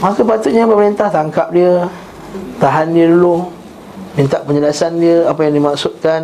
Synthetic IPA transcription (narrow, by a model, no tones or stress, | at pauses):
makupat̪ʊʔ̪̚ɲapəməɾint̪aht̪aŋkap̚diə | t̪aɦandiəloh | mĩnt̪aʔpəɲəlasandiəapajaŋdimaksʊt̪̚kan